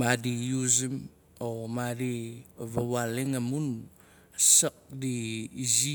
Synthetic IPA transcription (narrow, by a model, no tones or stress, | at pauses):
madijuzim | omaɾiβawaleŋamun | sak̚diːzi